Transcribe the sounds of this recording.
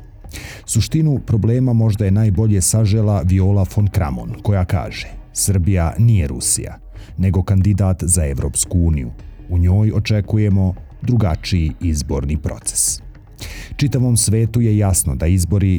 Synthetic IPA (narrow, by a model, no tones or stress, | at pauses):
suʃt̪inupɾo̞bleːmamo̞ʒd̪aje̞naːjbo̞ʎe̞saʒelaʋiolafonkɾa̰mo̰nko̞jaka̰ːʒesr̩bijanijeɾṵsḭja̰ | ne̞ɡo̞kand̪id̪aːt̪zaeʋɾo̞ːpskuuːnijṵuɲo̞ːjo̞t͡ʃe̞kuje̞mo̞ | d̪ɾuɡat͡ʃiiizbo̞̰ːɾnipɾo̞̰t̪se̥s | t͡ʃit̪aʋo̞ːmsʋe̞ːt̪uje̞jasno̞d̪aizbo̞ɾi